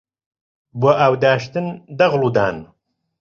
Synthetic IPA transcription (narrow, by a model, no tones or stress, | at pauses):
boːʔaːwd̪aːʃt̪ɨnd̪ɐɣluːd̪aːn